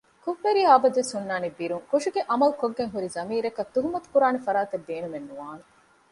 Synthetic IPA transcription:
kuʋːeɾiaːbɐd̪esunːaːnebːiɾuŋkuʂuɡeʔɐmɐlukoɡːeŋɦuɾizɐmiːɾɐkɐt̪ːuɦumɐt̪u̥kuɾaːnefɐɾaːt̪ɐb̪ːeːnumenːuʋaːne

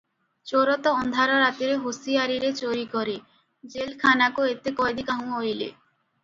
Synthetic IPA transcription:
t͡ɕoɾot̪oɔnd̪ʱaɾoɾat̪iɾeɦusiaɾiɾet͡ɕoɾikɔɾe | d͡ʑelkʰanakoet̪ekɔjd̪ikaɦũojlḛ

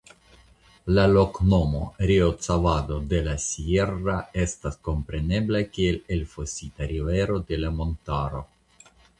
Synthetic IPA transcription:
lalo̞kno̞mo̞̰ɾiot͡savad̪o̞d̪e̞lasierːae̞stasko̞mpɾe̞ne̞blakielelfosit̪aɾiveɾo̞d̪e̞lamo̞nt̪aɾo̞

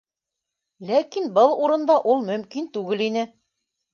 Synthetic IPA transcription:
lækinbɤlˠuɾɤ̆nd̪ɑʔulˠmɵ̆mkint̪ʉɡɘlinɘ

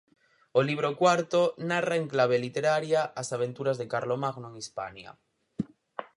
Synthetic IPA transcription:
oliβ̞ɾokwaɾt̪onaraeŋklaβ̞elit̪eɾaɾjaasaβ̞e̞nt̪uɾazðekaɾlomaɣnoeŋispa̰ɲa̰

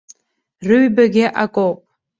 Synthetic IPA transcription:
rɨɥbaɡʲɪʔakʼowpʼ

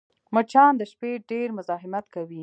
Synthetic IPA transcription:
mət͡ʃɑnd̪əʃpeɖeɾmʊzɑɦɪmat̪kawi

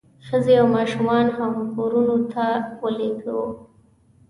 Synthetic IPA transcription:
xəzeawmɑʃumɑnhamkoɾunot̪ʰawəleɡəw

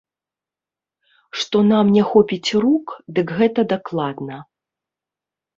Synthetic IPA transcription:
ʂt̪ɔnamnʲɛxɔpʲit͡sʲrukd̪ɨkɣɛt̪ɐd̪aklˠad̪nɐ

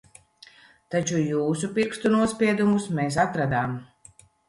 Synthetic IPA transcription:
t̪at͡ʃujuːsupiɾkst̪unuɔspʲiɛd̪umusmeːs̬at̪ɾad̪aːm

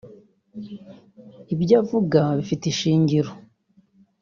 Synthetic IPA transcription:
ibɟaːvuɡaβifiteʃiːɲɟiɾo

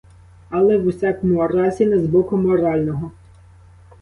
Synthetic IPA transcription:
ɐlˠɛʋusʲakɔmʊɔɾɑsʲinɛzbɔkʊmɔɾɑlʲnɔɦɔ

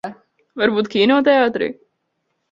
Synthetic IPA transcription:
vaɾbuːt̪kʲiːnɔɔt̪ɛaːt̪ɾḭː

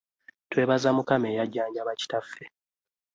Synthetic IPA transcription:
twe̞ːβazamukame̞ːjaɟːaːɲɟaβaci̥tafːe

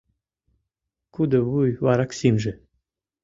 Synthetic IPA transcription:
kud̪ə̆βujvɑɾɑksimʒɘ̆

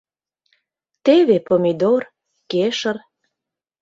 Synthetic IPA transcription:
t̪eβepomʲid̪or | keʃər

